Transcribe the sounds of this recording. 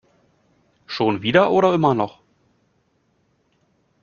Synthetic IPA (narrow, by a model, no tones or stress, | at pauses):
ʃoːnviːdɐʔoːɾɐɪmɐnɔχ